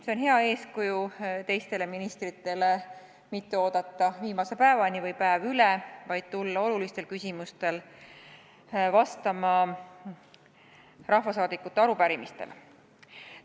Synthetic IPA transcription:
se̞onɦeɑe̞ːskujut̪e̞jst̪e̞le̞minist̪rit̪ːˑe̞le̞ | mit̪ːe̞o̞ːd̪̥ɑt̪ˑːɑviːmɑse̞pæevɑnivɤjpæevylevɑjd̪̥̚t̪ulːɑo̞lulist̪e̞lkysʲimust̪e̞l | vɑst̪ɑmɑ | rɑhvɑsɑːd̪ikːˑut̪ːˑeɑɾupæɾimist̪e̞̰l

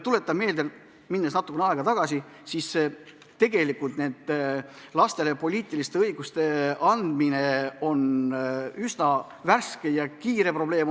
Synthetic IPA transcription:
t̪ule̞t̪ːˑɑme̞ːld̪e̞l | minːesnɑt̪ːˑukːˑenɑˑeɡ̥ɑt̪ɑɡ̥ɑsi | sise | t̪e̞ɡ̥e̞likult̪ned̪lɑst̪e̞le̞po̞lʲiːt̪ˑilist̪e̞ɤjɡ̥ust̪e̞ɑnd̪mine̞o̞n | ysnɑ | værske̞jɑkiːɾe̞pro̞b̥le̞ːm

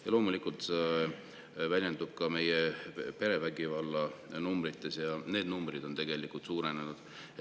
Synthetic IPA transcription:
jɑlo̞ːmulikːˑult̪se | vælʲjend̪ub̥̚kɑme̞jepe̞ɾe̞væɡivɑlːɑnumbɾit̪ːˑe̞sjɑne̞ːd̪numbrid̪o̞nt̪e̞ɡ̥e̞likˑult̪suːɾe̞nenud̪̥

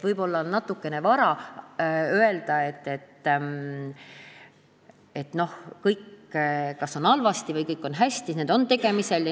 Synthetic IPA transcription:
vɤjb̥o̞lːɑnnɑt̪ːˑukːˑe̞ne̞vɑɾɑ | øe̞ld̪̥ɑe̞t̪ːe̞t̪ː | e̞t̪no̞hkɤjkː | kɑso̞nɑlvɑst̪ivɤjkɤjkːˑo̞nɦæsʲt̪ineːd̪̥o̞nt̪e̞ɡ̥e̞mise̞lj

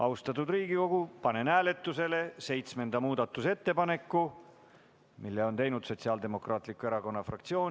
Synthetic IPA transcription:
ʔɑwst̪ɑt̪ːˑud̪riːɡiko̞ɡ̥upɑne̞næːle̞t̪ːˑuse̞le̞se̞jt̪sme̞nd̪ɑmuːd̪̥ɑt̪ːˑuse̞t̪ːe̞pɑne̞kˑːu | milːe̞o̞nt̪e̞jnud̪̥so̞t̪siɑːld̪e̞mo̞krʔɑːt̪ˑlikːˑue̞ɾɑko̞nːɑfrɑ̰k̚t̪sio̞ːn

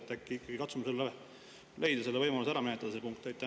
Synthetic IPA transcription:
t̪ːækːiikːˑɑɡ̥ikɑt̪sumɑselːee | le̞jd̪̥ɑse̞lːeɤjmɑlusæɾɑminet̪ːˑɑd̪̥ɑsepuŋk̚t̪ejt̪ːæ

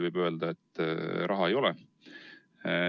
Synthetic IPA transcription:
vɯjb̥ø̞ːld̪̥ɑet̪ːˑɾʔɑɦɑejo̞lɛ

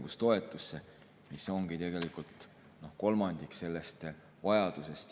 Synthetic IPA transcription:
ɡ̥ust̪o̞e̞t̪ːˑusːe̞ | miso̞ŋɡ̥it̪e̞ɡ̥e̞likult̪ˑ | no̞hko̞lmɑnd̪̥ikse̞lːe̞st̪ | vɑjɑd̪̥use̞st̪

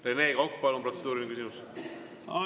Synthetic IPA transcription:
renekɑwkːpɑlːompro̞t̪se̞d̪uːɾinikysimus

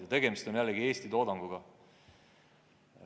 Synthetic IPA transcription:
ɑt̪e̞ɡe̞mist̪o̞njælːeɡie̞ːst̪it̪o̞ːd̪ɑŋɡ̥uɡ̥ɑ

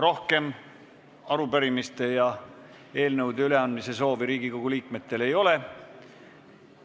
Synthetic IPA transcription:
ro̞hke̞m | ɑɾupæɾimist̪e̞jɑ | e̞ːlnɤwd̪eyle̞ɑnd̪mise̞so̞ːviɾiːɡ̥iko̞ɡ̥uliːkme̞t̪ːe̞le̞jo̞le̞

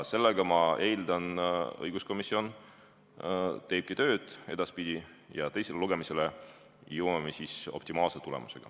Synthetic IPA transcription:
se̞lːeɡ̥ɑmɑe̞jld̪̥ɑnɤ̰jɡ̥usko̞misːio̞n | t̪e̞ːb̚kit̪ø̞ːd̪̥e̞d̪̥ɑspid̪̥ʲijɑt̪e̞jse̞leluɡ̥e̞mise̞le | jɤwmɑmesiso̞̰p̚t̪imɑːlset̪ule̞̰mṵse̞ɡ̥ɑ̰

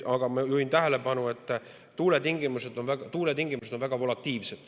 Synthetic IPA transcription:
ɑɡ̥ɑmɑjuint̪æɦele̞pɑnue̞t̪ːˑ | t̪uːle̞t̪iŋɡ̥imuse̞d̪̥o̞nvæɡ̥ɑt̪uːlet̪iŋɡimused̥̪o̞nvæɡ̥ɑvo̞lɑt̪ːiːvse̞d̪̥

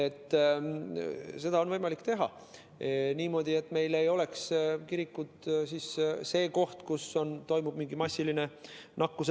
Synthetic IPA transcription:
e̞t̪ː | se̞d̪̥ɑonvɤjmɑlikːt̪e̞ɦɑ̰ | niːmo̞ːd̪̥ie̞t̪ːˑme̞jle̞jo̞le̞kskiɾikːut̪siːsse̞ːko̞ht̪kuso̞nt̪o̞jmub̥miŋɡimɑsʲːiline̞nɑkːus

